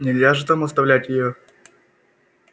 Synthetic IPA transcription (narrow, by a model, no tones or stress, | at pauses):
nʲɪlʲzʲaʐɨt̪amɐst̪ɐvlʲætʲjɪjo